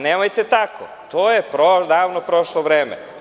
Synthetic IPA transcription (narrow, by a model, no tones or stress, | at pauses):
neːmajt̪et̪akʰo̰ | t̪oːjepɾod̪aːʋnopɾoʃloʋɾeːmḛ